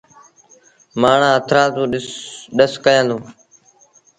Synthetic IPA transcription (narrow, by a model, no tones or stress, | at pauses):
maːɳ̤ãːɦət̪ʰɾãːt̪ũːɗɗəskəjãːnd̪ũː